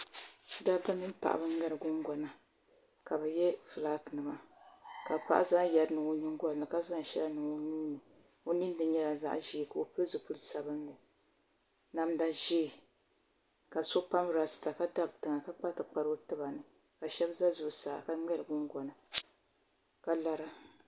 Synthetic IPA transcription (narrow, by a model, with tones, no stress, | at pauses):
da˦ba˦mɨ˦m˦pa̰˨ʔa̰˨bɨ˦ŋɛ˦ɾɨ˨ɡʊ˦ŋɡɔ˨na˨ | ka˨bɛ˨jɛ˦fɨ˨la˦tnɨ˨ma˨ka˨pa̰˨ʔa˦za˦jɛ˨dnɨ˨ŋo˦ɲi˦ŋɡʷɔ˦n˨nɨ˨ka˦za˦ŋ˦ʃɛ˦la˦nɨ˨ŋo˦ni˦n˦nɨ˨ | o˦ni˦nː˦ɨ˨ɲɛ˦la˨za̰˦ʔʒi˨˦˨ka˨o˨pɨ˦zu˨pu˦lsa˨bɨ˦nːɨ˨ | na˦m˦da˦ʒe˦˨ | ka˨so˦pa˦m˨ɾa˨sɨ̥˨ta˨ka˦da˦btɨ˨ŋa˨ka˦k͡pa˦tɨ˨k͡pa˨ɾo˦tɨ˦ba˨nɨ˨ | ka˨ʃɛ˦bza˦zʊ˦ʔsa̰ː˨ka˦ŋɛ˦ɾɨ˨ɡʊ˦ŋɡɔ˨na˨ | ka˦la˦ɾa˦